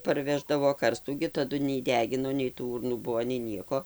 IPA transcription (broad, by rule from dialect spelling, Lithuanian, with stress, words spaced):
pɐrʲˈʋʲæːʒdɐʋoː ˈkɐrstuː ɡʲɪ tɐˈdʊ nʲɛɪ ˈdʲæːɡʲɪnoː nʲɛɪ tuː ˈuːrnuː bʊʋoː nʲɛɪ ˈnʲiɛkoː